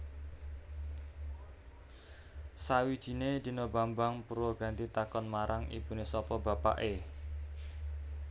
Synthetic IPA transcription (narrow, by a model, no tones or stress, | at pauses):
sawid̥ʒ̥i̤ned̪̥i̤nobambaŋpuɾwɔɡ̥a̤nt̪it̪akɔnmaɾʔaŋḭbunesɔpɔba̤pa̰ʔe